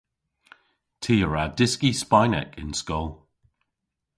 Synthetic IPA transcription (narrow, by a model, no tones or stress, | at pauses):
tʰiːəɹadɪskispajnɛ̰kʰɪ̰̃nskɔlˠ